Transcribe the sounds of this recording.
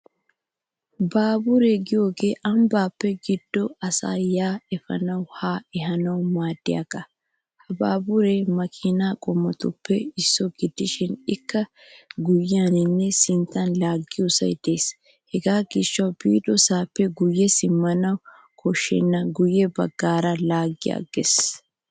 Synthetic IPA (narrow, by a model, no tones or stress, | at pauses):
baːbʊɾeɡɪjo̞ːɡe̞ːʔɐmbaːpːɛɡɪd̪̥ːɔɐsa̰ːjaːɛfɐ̰nɐwhaːɛɦɐnɐwmaːd̪ːɪja̰ɡɐ | hɐbaːbʊɾemɐkʰʼɪnaːkʼɔmːɐt̪ʊpːɛɪsːɔɡɪd̪ːɪʃɪnɪkːɐ | ɡʊjɪanɪnːɛsɪnt̪ːɐnlaːɡːɪjʊsɐ̰jd̪̥e̞ːs | hɛɡaːɡɪʃːɐwb̥iːᶑ̪ɔsaːpːɛɡʊjːɛsɪmːɐnɐw | kʰɔʃːɛ̰nːɐɡʊjɛbɐ̰ɡːaːɾɐlaːɡːɪja̰ɡes